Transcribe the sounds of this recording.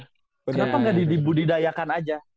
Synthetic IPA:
kənapaŋɡadidibudidajakanad͡ʒa

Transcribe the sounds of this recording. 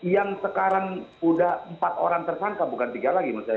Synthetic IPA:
jaŋsəkaɾaŋudahəmpat̪o̰ɾaŋt̪ərsaŋkabukant̪iɡalaɡimasaj

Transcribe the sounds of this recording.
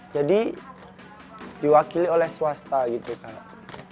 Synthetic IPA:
d͡ʒadi | diwakiliolɛhswast̪aɡit̪ukaʔ

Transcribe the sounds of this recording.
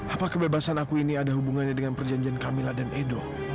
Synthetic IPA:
ʔapakəbebasanakuiniadaɦubuŋanɲadəŋanpərd͡ʒaɲd͡ʒiankamiladanʔedo

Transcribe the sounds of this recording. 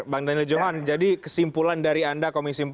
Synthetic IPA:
baŋdanɪld͡ʒoɦand͡ʒadikəsimpulandaɾiandakomisimp

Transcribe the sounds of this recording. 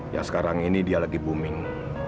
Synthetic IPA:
ja̰sə̥kaɾaŋinidialaɡibumɪŋ

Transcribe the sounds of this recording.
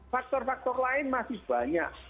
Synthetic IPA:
fak̚t̪ɔrfak̚t̪ɔrlaɪnmasɪhb̥aɲaʔ

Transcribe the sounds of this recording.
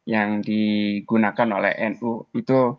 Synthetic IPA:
jaŋdiɡ̥unakanolɛ̰hɛnuit̪u

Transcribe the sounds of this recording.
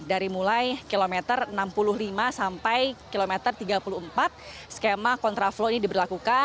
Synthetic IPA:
daɾimulajkilomɛt̪ərənampulʊhlimasampajkilomɛt̪ərt̪iɡapuluəmpat̪̚skemakɔnt̪ɾafloinidibərlakuka

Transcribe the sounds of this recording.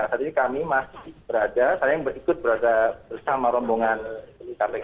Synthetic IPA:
asat̪inikamimasɪhbəɾadasajajaŋbəɾikʊt̪̚bəɾadabərsamaɾɔmboŋanlikaɛ

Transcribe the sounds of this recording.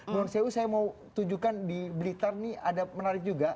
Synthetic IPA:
nɔnseusajamaut̪uɲd͡ʒukandiblit̪arniadamənaɾɪk̚d͡ʒuɡa

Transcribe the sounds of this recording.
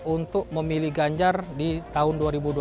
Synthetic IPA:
unt̪ʊk̚məmiliɡaɲd͡ʒardit̪aʊnduaɾibudu

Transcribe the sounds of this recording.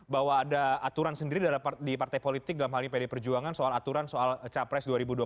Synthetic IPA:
bawaːdaat̪uɾansəndiɾidalpdipart̪ajpolit̪ɪk̚dalamhalapedepərd͡ʒuaŋansoalat̪uɾansoalt͡ʃapɾɛsduaɾibudua

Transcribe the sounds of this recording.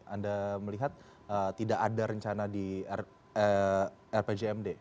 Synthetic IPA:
andaməliɦat̪̚ | ət̪idakadaɾəɲt͡ʃanadi | ɛrped͡ʒeɛmde

